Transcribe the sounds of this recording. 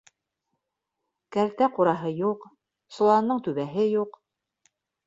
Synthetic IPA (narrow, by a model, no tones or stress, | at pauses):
kæɾt̪æquɾɑɦɤjuq | sŏlˠɑnːɤɴt̪ʉβæɦɘjuq